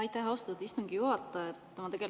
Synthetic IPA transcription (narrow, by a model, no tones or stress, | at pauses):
ɑjt̪ːæɦɑost̪ud̪ist̪uŋɡ̥ijuɦɑt̪ˑːɑet̪ːemɑt̪e̞ɡ̥e̞l